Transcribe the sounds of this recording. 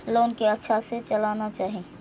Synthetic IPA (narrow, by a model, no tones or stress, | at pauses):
loːnkeətːʃʰaset͡ʃəlaːnat͡ʃaːɦĩ